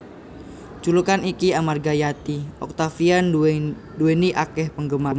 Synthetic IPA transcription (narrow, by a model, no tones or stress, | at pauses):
t͡ʃulukanikiamarɡajat̪iɔ̰k̚t̪afian | dueniʔakɛhpəŋɡəma